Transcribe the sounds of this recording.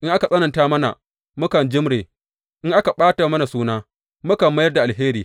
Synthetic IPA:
ʔɪ˦ŋʔa˦ka˨sʼɐ˦nɐ˨ntaː˦mɐ˦na̰˨ | mʊ˦kɐ˨nd͡ʒɪ˦mɽeː˨ | ʔɪ˦ŋʔa˦ka˨ɓaː˦ta˨mɐ˦na˨suː˦naː˦ | mʊ˦kɐ˨mːɐ˦jɐ˦rda˨ʔa˨lɦeː˦ɾiː˨

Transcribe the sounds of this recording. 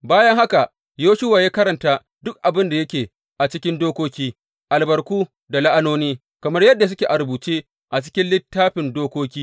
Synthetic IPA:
baː˦jɐ˦ŋɦa˦ka˨ | joː˦ʃʊ˦waː˨jaː˦kɐ˦ɾɐ˨ntaː˨ | dʊ˦k̚ʔa˨bɪ˦nda˨jɐ˦kʲeː˨ | ʔa˨t͡ʃɪ˦kʲɪ˦ndoː˦kʷoː˦kʲiː˦ | ʔa˨lbɐ˨rkʷuː˦ | da˨la˦ʔa˦noː˦niː˦ | kɐ˨mɐ˦rjɐ˦dːa˨s̬ʊ˦kʲeː˨ʔa˨ɾbuː˨t͡ʃeː˦ | ʔa˨t͡ʃɪ̥˦kʲɪ˦nlɪ˦tːaː˦ɸɪ˨ndoː˦kʷoː˦kʲiː˦

